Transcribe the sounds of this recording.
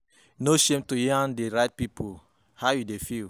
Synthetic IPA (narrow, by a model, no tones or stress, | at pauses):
noʃẽmtojiãndeɹaɪt̚pipʰo | haʊjudefil